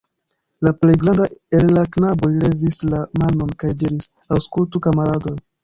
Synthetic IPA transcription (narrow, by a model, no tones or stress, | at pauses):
laple̞jɡɾandaelːaknabo̞jle̞vislamano̞nkajdiɾis | awskultukamaɾado̞j